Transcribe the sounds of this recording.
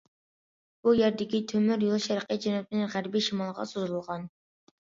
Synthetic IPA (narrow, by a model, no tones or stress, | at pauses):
b̥ujæɾd̪ɪkʲit̪ʰømyɾjolˠʃɛɾəqʰəd͡ʒɛnɑt̪̚ɪnɪnʁæɾbiʃimɑlˠʁɑ̰sozulˠʁɑn